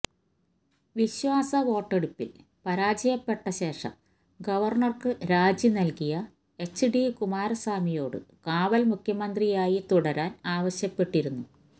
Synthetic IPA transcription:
ʋiɕwaːsɐʋo̞ːʈːe̞ɽupːḭl | pɐɾaːd͡ʑɐjɐpːe̞ʈːɐɕe̞ːʂɐ̰m | ɡɐʋɐrɳɐrkɨɾaːd͡ʑinɐlkijɐ | e̞t͡ɕːɨɖikumaːɾɐsaːmijo̞ːɽɨ̰kaːʋɐlmukʰjɐmɐnd̪rijaːjit̪uɽɐɾaːnaːʋɐɕjɐpːe̞ʈːiɾunːu

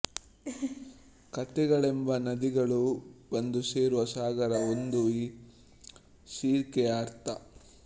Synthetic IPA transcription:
kɐt̪ɛɡɐɭembɐnɐd̪iɡɐɭubɐnd̪use̞ːɾuʋɐsaːɡɐɾɐond̪uiː | siːɾkɛaːɾt̪ɐ

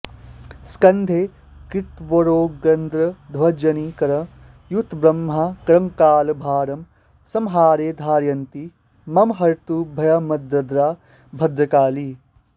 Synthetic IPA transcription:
skɐnd̪ʱeː | kɾɪt̪ʋoɾoːɡɾɐnd̪ɾɐd̪ʱwɐd͡ʒɐnikɐɾɐ | jut̪ʰbɾɐmːɦakɾɐŋkaːlbʱaːɾɐm | sɐmɦaːɾeːd̪ʱaːɾjɐnt̪i | mɐmɦɐɾt̪ubʱɐjɐmɐd̪ɾɐd̪ɾaː | bʱɐd̪ɾɐkaːli

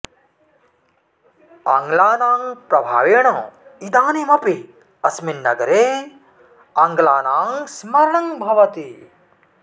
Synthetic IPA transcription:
ɐ̰ŋɡlaːnaːŋpɾɐbʱa̰ːʋeɽ̃õːid̪aːnimɐpi | ɐsminːɐɡɐɾeː | ɐŋɡlaːnaːŋsmɐɾɳɐŋbʱɐʋɐt̪i

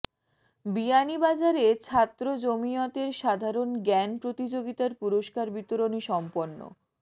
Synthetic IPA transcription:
bianibad͡ʑaɾet͡ɕʰat̪ːɾod͡ʑomijot̪eɾʃad̪ʱaɾonɡɛnpɾot̪id͡ʑoɡit̪aɾpuɾoʃkaɾbit̪oɾoniʃɔmponːo̰

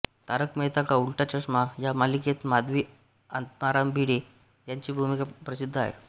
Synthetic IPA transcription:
t̪aɾəkməɦjt̪akaulʈat͡ɕəʂmajamaliket̪mad̪ʋiː | ənt̪maɾambiɽe | jaɲt͡ɕiːbʱumikapɾəsid̪ʱːəa̰ɦḛ

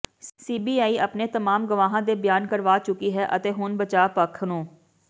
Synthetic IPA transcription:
siːbiːaːiːʔəpneːt̪əmaːmɡʊʋaːɦãːd̪eːbjaːnkəɾʋaːt͡ʃʊkiːɦɛːʔət̪eːɦʊnbət͡ʃaːpəkʰnũː

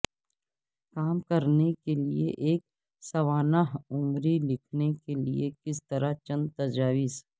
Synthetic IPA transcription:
kaːmkɐɾnekelḭeʔeːk̚ | sɐʋaːnaɦʊmɾilɪkʰnekelḭekɪst̪ɐɾat͡ʃɐ̃nd̪̚t̪ɐd͡ʒaːʋɪs

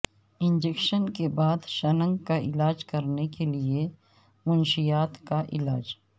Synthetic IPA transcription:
ɪ̃nd͡ʒekʃənkebaːd̪ʃɐnə̃ŋɡkaɪlaːd͡ʒkɐɾnekelie | mʊnʃijaːt̪kaʔɪlaːd͡ʒ

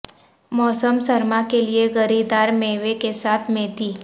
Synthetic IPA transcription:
mɔːsəmsəɾmãkelieɣəɾid̪aːɾmeːʋekesaːt̪ʰmẽːt̪iː

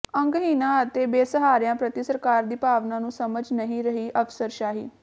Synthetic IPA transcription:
ə̃ŋɡɦiːnãːət̪eːbeːsəɦaːɾɪjãːpɾət̪isəɾkaːɾd̪iːpaːʋnãːnũːsəməd͡ʒnəɦĩːɾəɦiːʔəfsəɾʃaːɦḭː

